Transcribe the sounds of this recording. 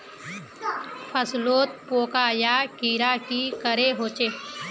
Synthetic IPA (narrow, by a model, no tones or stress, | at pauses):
pʰəsloːt̪̚poːkaːjakiːɾaːkikəɾeɦoːt͡ʃeː